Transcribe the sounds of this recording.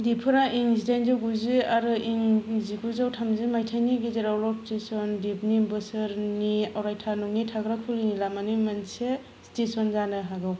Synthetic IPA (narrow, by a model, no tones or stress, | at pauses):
dipʰɯɾaʔiŋzidajnzawɡuziaɾɯiŋziɡuzawtʰamzimajtʰajniɡizeɾawlɔstesɔndibnibɯsɯɾniawɾajtʰanuŋnitʰaɡɾakʰulinilamanimanse | stesɔnzanɯɦaɡɯw